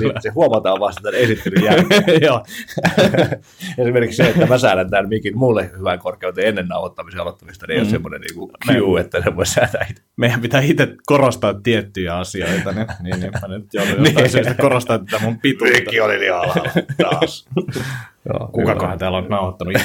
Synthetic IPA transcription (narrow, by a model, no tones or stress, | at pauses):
ssehuomɑt̪ɑːʋʋɑst̪ɑt̪ænesit̪ːelyjæjoː | esimerkikseet̪ːæmæsæːɾænt̪ænmikinmulːehyʋæŋkorkˑeut̪eenːenːɑuhot̪ːɑmiseɑlot̪ːɑmist̪ɑneijosemːonḛnḭːŋkumyuet̪ːæsemːosæt̪æit̪ | meijæmpit̪æːit̪ekorost̪ɑːt̪ːiet̪ːyjæɑsioit̪ɑnininnimænnyt̪jolnisemost̪kkorost̪ɑnt̪æt̪æmumpit̪uk̪ːioliliɑlɑ̰t̪ɑs | jo̰ːkukɑkɑhɑnt̪æːlont̪nɑuhɑt̪ːɑnu